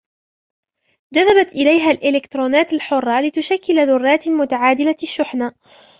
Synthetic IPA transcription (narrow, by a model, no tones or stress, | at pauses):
d͡ʒaðːabat̪ʔɪlajɦaːlʔɪlɪkt̪ɾˤoːnaːt̪alħʊrˤːɑlɪt̪ʊʃakːɪlaðʊrˤːɑːt̪mʊt̪aʕaːd̪ɪlaʃːʊħnaː